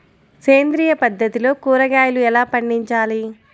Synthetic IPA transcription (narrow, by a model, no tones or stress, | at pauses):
keːnd̪ɾiːjɐpɐd̪ʱːɐt̪ilo̞ːkuːɾɐɡaːjɐluɛlaːpɐɳɖiɲt͡ʃaːli